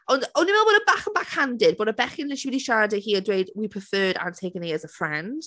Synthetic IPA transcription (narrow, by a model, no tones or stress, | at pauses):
ənonəmɛlˠwəɾəbakə̃nbakhãndɪd̚bʌɾəbɛχɪ̃nɪʃiwɪliʃaːdəhiədɹeɪdwipʰəfɜːdə̰̃ntʰeɪkə̃niəzəfɹɛ̃nd̥